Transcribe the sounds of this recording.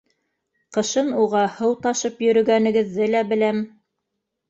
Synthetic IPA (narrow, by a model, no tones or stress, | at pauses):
qɤ̆ʃɤnuʁɑhɤwt̪ɑʃɤpjɵ̆ɾɵ̆ɡænɘ̆ɡɘ̆ðːɘlæbɘ̆læm